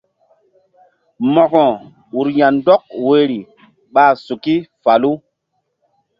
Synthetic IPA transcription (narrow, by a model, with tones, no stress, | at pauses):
mɔ˨kɔ˨ | u˨ɾja˨n˦dɔ˦k̚we˨ɾi˨ | ɓaː˦su˨ki˦fa˨lu˦